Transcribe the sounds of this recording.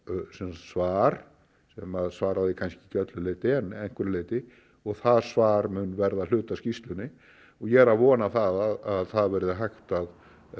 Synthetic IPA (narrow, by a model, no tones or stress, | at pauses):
sɛmssvaːɾ̥ | sɛmaðsvaːɾaðɪkʰanscɪ̥cœt̪lʏleːjt̪ɪɛnːɛŋ̥kvɛɾleːjt̪ɪ | ɔɣθaðsvaːɾmʏnvɛɾðal̥ʏːt̪ascist̪lʏnːɪ | ɔɣjɛɛɾavɔːnaθaðaðaðθaðvɛɾɪðɪɦajxt̪að